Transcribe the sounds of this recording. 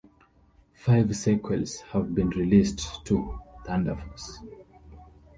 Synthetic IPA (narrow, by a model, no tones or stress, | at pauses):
faɪvsɛkʰwɛlz̥həvbĩnɹilisttʰuθãndəfɔs